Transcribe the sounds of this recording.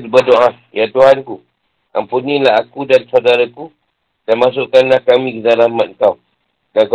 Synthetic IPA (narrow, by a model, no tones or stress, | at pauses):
bədoʔa | jat̪uɦanku | ʔa̰mpunilaɦakudansawdaɾaku | danmas̬oʔkanlahkamĩkəzaɾamat̪̚ŋkaw | ɡaɡ